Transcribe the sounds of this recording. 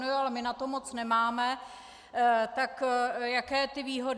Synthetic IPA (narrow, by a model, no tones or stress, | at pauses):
nujualɛmɪnat̪o̞mo̞t͡snɛmaːmɛ | t̪akjakɛːt̪ɪviːɦo̞d